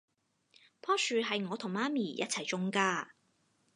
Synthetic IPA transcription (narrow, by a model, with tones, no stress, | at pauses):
pʰɔː˥syː˨˧ɦɐ˨jŋɔː˨˧t̪ʰʊ˨˩ŋmaː˥miː˨˩jɐ̰˥t̚t͡sʰɐ˨˩jt͡sʊ˥ŋkaː˥